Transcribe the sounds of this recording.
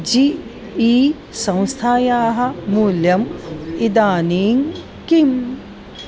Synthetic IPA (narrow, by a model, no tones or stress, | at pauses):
d͡ʒi | iː | sɐ̃w̃st̪ʰaːjaːɦɐ̆muːljɐmid̪aːniːŋ | kim